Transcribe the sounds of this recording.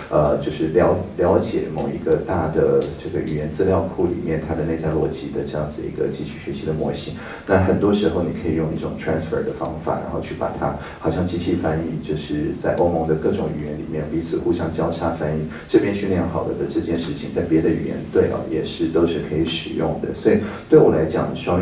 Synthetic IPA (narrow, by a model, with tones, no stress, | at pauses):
ə˧t͡ɕjo˥˧ʊʂɻ̩˥˩ljɑ˧˥ʊljɑ˧˥ʊt͡ɕjɛ̰˨˩˦mo˨˩ʊi˧˥ɡə˧t̪a˥˩d̪ə˩ʈ͡ʂɤ˥˩ɡə˩ʔy˨˩jɛ˧˥nt͡sɹ̩˥˧ljɑ˥˧ʊkʰu˥˩lḭ˨˩mjɛ˥˩nt̪ʰa˥d̪ə˨ne˥˧ɪt͡sa˥˧ɪlwɔ˥˩t͡ɕi˧˥d̪ə̰˧ʈ͡ʂɤ˥˧jɑ˥˩ŋd͡zɹ̩˩˧ḭ˧˥ɡə̰˧t͡ɕi˥˧ɕʰy˥˩ɕɥɛ˧˥ɕi˧˥d̪ə˧mwɔ̰˥˩ɕi˥ŋ | na˥˩xə˨˩nt̪wɔ˥ʂɻ̩˧˥xo˥˩ʊni˨˩kʰɤ˧˥i˨˩jʊ˥˧ŋi˥˩ʈ͡ʂʊ̰˨˩ŋt̪ʰɹæ˧˥nsfə̰˞˨˩d̪ə˩fɑ̰˥ŋfa̰˨˩ɻa̰˧˥nxo˥˧ʊt͡ɕʰy˥˩pa̰˨˩t̪ʰa̰˥ | xɑ˨˩ʊɕjɑ˥˩ŋt͡ɕi˥˧ɕʰi˥˩fa˥ni˥˩t͡ɕjo˥˧ʊʂɻ̩˥˩t͡sa˥˧ɪʔo˥ʊmɤ˧˥ŋd̪ə˧kɤ˥˩ʈ͡ʂʊ˧˥ŋy˨˩jɛ˧˥nlḭ˨˩mjɛ˥˩npi˧˥t͡sʰɹ̩˨˩xu˥˧ɕjɑ˥ŋt͡ɕjɑ˥ʊʈ͡ʂʰa˥fa˥ni˥˩ | ʈ͡ʂɤ˥˩pʰjɛ˥nɕy˥˧nljɛ˥˩nxɑ˨˩ʊd̪ə̰˦d̪ə˧˦ʈ͡ʂɤ˥˧t͡ɕjɛ˥˧nʂɻ̩˥˩t͡ɕʰi˨ŋt͡sa˥˩ɪpjɛ˧˥d̪ə˧y̰˨˩jɛ̰˧˥nt̪we˥˩ɪʔɐ̰˩jɛ˨˩ʂɻ̩˥˩t̪o˥ʊʂɻ̩˥˩kʰɤ˧˥i˧˥ʂɻ̩˨˩jʊ̰˥˩ŋd̪ə̰˩swɔ˧˥i˨˩t̪we˥˩ɪwɔ˨˩la˧˥ɪt͡ɕjɑ̰˨˩˦ŋʂɑ˥˧